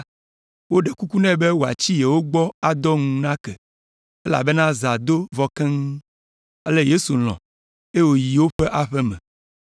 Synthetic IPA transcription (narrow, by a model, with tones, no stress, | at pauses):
wo˦ɖe˨ku˦ku˦nɛ̃˦be˦wo˨a̰˨t͡ɕi˦je˨wo˦ɡ͡bɔ˦a˨d̪ɔ˦ŋũ˨nã˦kɛ˨ | e˦la̰˨be˦nã˦za˨d̪o˦vɔ˦kɛ̃˦ŋu˦ | e˦lɛ˦je˦su˨l̃ɔ̰̃˨ | e˦wo˨ji˨wo˦ɸɛ˦ʔa˦ɸɛ˦mɛ̰̃˨